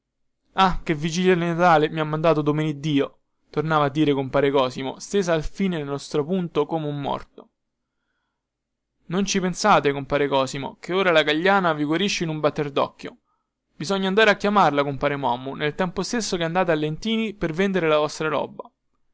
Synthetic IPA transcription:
akevːid͡ʒiljalnat̪aːlemiamːand̪aːt̪od̪omeːnid̪ːiːo | t̪ornaːvaːd̪ːiːɾekompaːɾekɔːsimo̰st̪eːzaːlfiːnelnɔst̪ɾopunt̪okoːmeumːɔ̰rt̪o̥ | nont͡ʃipensaːt̪ekompaːɾekɔːsimo̰keoːɾalaɡaʎːaːnaviɡwaɾiʃːeinumbat̪ːerd̪ɔ̰kːjo | bizɔɲːand̪aːɾeakːjamarlakompaːɾemamːunelt̪ɛmpost̪esːokeand̪aːt̪̬ealːent̪iːnipervend̪eɾelavɔst̪ɾaɾɔ̰ːbːa

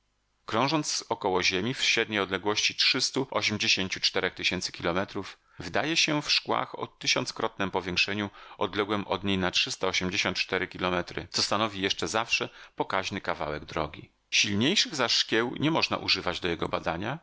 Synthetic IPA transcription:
kɾɔ̃w̃ʐɔnt̪szɔkɔwɔʑemʲifɕɾɛd̪̚ɲejɔd̪lɛɡwɔɕt͡ɕitʂɘst̪uʔɔɕɛmd͡ʑeɕeɲt͡ɕut͡ʂt̪ɛɾɛxt̪ɘɕɛnt̪sɘ̥kʲilɔmɛt̪ɾuf | vɘd̪ajɛɕɛfʂkwa̰xɔ̰t̪ɘɕɔnt̪skɾɔt̪̚nɛmpɔvʲjɛ̃ŋkʂɛɲuɔd̪lɛɡwɛmɔ̰d̪ɲejnatʂɘst̪aɔɕɛmd͡ʑeɕɔnt̪t͡ʂt̪ɛɾɘkʲilɔmɛt̪ɾɘ̰t̪sɔst̪anɔvʲijɛʂt͡ʂɛzafʂɛpɔkaʑnɘkava̰wɛɡ̚d̪ɾɔ̰ɡʲi | ɕilɲejʂɘɣzaʂkʲjɛwɲɛmɔʐna̰ʔṵʐɘvad͡ʑd̪ɔjɛɡɔbad̪aɲa

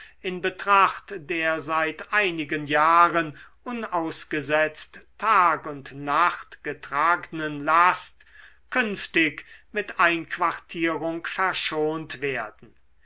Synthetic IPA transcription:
ɪnbətʁ̥aχtdeːɐzaɪtaɪnɪɡənjaːʁənʔʊnaʊsɡ̥əzɛt͡stʰːaːkʊntnaχtɡ̥ətʁ̥aːɡənənlast | kʰʏnftɪkmɪtaɪnkv̥aʁtʰiːʁʊŋkfɛɐʃoːntv̥eːɐdn̩

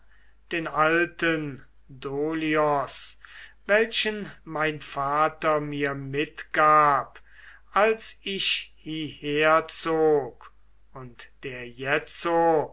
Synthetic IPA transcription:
d̥eːnaltən | doːliɔsvɛlʃənmaɪnfaːtɐmiːɐmɪtɡ̥aːp | ʔalsɪʃhiheɐt͡soːk | ʊntd̥eːɐjɛt͡so

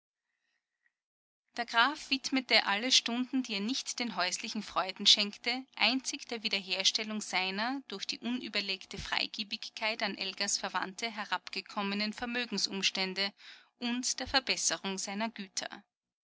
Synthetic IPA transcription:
d̥eːɐɡ̥ʁaːfv̥ɪtmətəʔaləʃtʊndn̩d̥iːeːɐnɪçtd̥eːnɦɔʏslɪçŋ̩fʁ̥ɔʏdn̩ʃɛŋktəʔaɪnt͡sɪçd̥eːɐviːdɐɦeːɐʃtɛlʊŋz̥aɪnɐd̥ʊɐxd̥ḭːʔʊnʔy̰ːbɐleːktəfʁ̥a̰ɪɡ̥iːbɪçkʰːaɪtanʔɛlɡɐsfɛɐva̰ntəɦɛɐʁapɡ̥əkʰɔmənənfɛɐmøːɡŋ̩sʔʊmʃtɛndəʔʊntd̥eːɐfɛɐbɛsəʁʊŋzaɪnɐɡyːtʰɐ̰

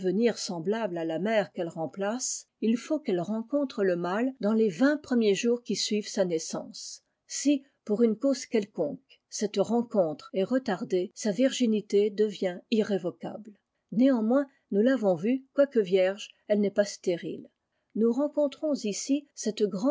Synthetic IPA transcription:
vəniʁsɑ̃blablalamɛʁkɛlʁɑ̃plas | ilfokɛlʁɑ̃kɔ̃t̪χələmald̪ɑ̃levɛ̃pχəmjeʒuʁkʲisɥivsanɛsɑ̰̃sː | i | puʁynkoz̥kʲɛlkɔ̃k | sɛt̪ʁɑ̃kɔ̃t̪χeʁət̪aʁd̪esaviʁʒinit̪ed̪əvjɛ̃iʁevɔka̰bl | neɑ̃mwɛ̃ | nulavɔ̃vykwakəvjɛʁʒɛlnɛpast̪eʁḭl | nuʁɑ̃kɔ̃t̪χɔ̃zisisɛt̪ɡʁɑ̃

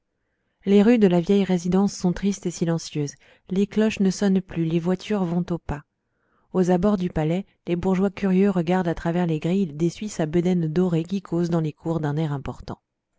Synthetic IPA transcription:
leʁyd̪əlavjɛjʁezid̪ɑ̃sːɔ̃t̪χist̪esilɑ̃sjøːz | leklɔʃnəsɔnplylevwat̪ʰyʁvɔ̃t̪opa | ozabɔʁd̪ypalɛ | lebuʁʒwakʲyʁjøʁəɡaʁd̪at̪χavɛʁleɡʁild̪esɥisabəd̪ɛnd̪ɔʁek̬ʲikʰozd̪ɑ̃lekʰuʁd̪ɛ̃nɛʁɛ̃pɔʁt̪ɑ̰̃

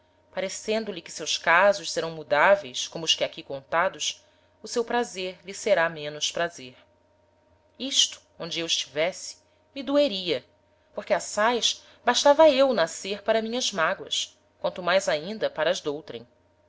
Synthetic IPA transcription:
paɾesẽnd̪ʊlikɪ̥sewskazʊʃseɾɐ̃w̃mud̪avejskõmʊːskɪakikõnt̪ad̪ʊs | ʊsewpɾazeɾliseɾamẽnʊspɾazeɾ | iʃt̪ʊ̥ | õnd͡ʒɪewɪʃt͡ʃi̥vɛsɪ̥ | mid̪ueɾiɐ | poɾkeasajʃ | baʃt̪avɐewnaseɾpaɾɐmĩɲɐzmaɡwɐs | kwɐ̃nt̪ʊmajzaĩnd̪ɐpaɾɐːzd̪owt̪ɾḛ̃j̃

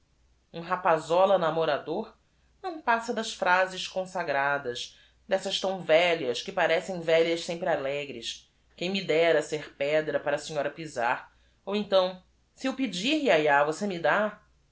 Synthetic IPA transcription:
ũɦapazɔlɐnamoɾad̪oɾ | nɐ̃w̃pasɐd̪ɐsfɾazɪʃkõsaɡɾad̪ɐʃ | d̪ɛsɐʃt̪ɐ̃w̃vɛʎɐskɪpaɾɛsẽj̃vɛʎɐssẽmpɾɪalɛɡɾɪʃ | kẽj̃mid̪ɛɾɐseɾpɛd̪ɾɐpaɾɐːsĩɲɔɾɐpiza̰ɾ | owẽnt̪ɐ̃w̃ | siuwpid͡ʒiɾiajavosemid̪a

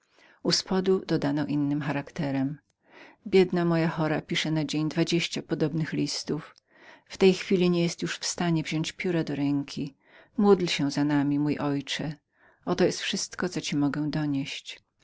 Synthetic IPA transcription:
uspɔd̪ud̪ɔd̪anɔʔinːɘmxaɾakt̪ɛɾɛm | bʲjɛd̪namɔjaxɔɾapʲiʂɛnad͡ʑeɲd̪vad͡ʑeɕt͡ɕapɔd̪ɔbnɘxlʲist̪uf | ft̪ɛjxfʲilʲiɲɛjɛst̪juʂfst̪aɲɛvʑɔɲt͡ɕpʲjuɾad̪ɔɾɛŋkʲʰi | mud̪lɕɛzanamʲimujʔɔjt͡ʂɛ | ʔɔt̪ɔjɛst̪fʂɘst̪kɔt̪ɔt͡ɕimɔɡɛd̪ɔɲeɕt͡ɕ

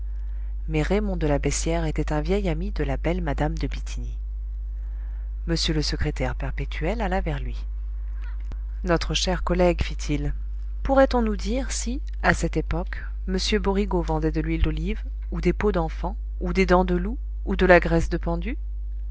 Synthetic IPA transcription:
mɛʁemɔ̃d̪əlabɛsjɛʁet̪ɛt̪ɛ̃vjɛjamid̪əlabɛlmad̪amd̪əbit̪ʰini | məsjøləsəkχet̪ɛʁpɛʁpet̪ʰyɛlalavɛʁlɥi | nɔt̪χəʃɛʁkɔlɛɡfit̪ʰil | puʁɛt̪ɔ̃nud̪iʁsi | asɛt̪epɔk | məsjøbɔʁiɡovɑ̃d̪ɛd̪əlɥild̪oliv | ud̪epod̪ɑ̃fɑ̃ | ud̪ed̪ɑ̃d̪əluː | d̪əlaɡʁɛsd̪əpɑ̃d̪y

